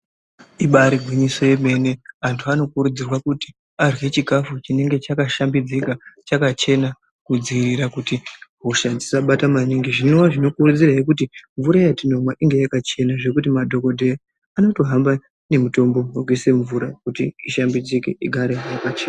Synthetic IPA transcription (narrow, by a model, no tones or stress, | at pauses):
iɓaɾiɡʱwiɲiso̞je̞me̞ne̞antʰuano̞kuɾud͡zirwakuti̥ | arwe̞t͡ʃiɡʱafut͡ʃine̞ŋɡe̞t͡ʃakaʃambid͡zikat͡ʃakat͡ʃe̞na | kud͡ziiriɾakutiɦoʃad͡zisaɓatamaniŋɡiʐinowaʐino̞kurud͡zirajekut̬iɱvuɾajatino̞mwaʔiŋɡe̞jakat͡ʃe̞naʐe̞kut̬imadʱo̞ko̞dʱe̞ja | ano̞to̞ɦamba | ne̞muto̞mbo̞muowise̞ɱvuɾakutiiʃambid͡zikeʔiɡʱaɾejakat͡ʃeːna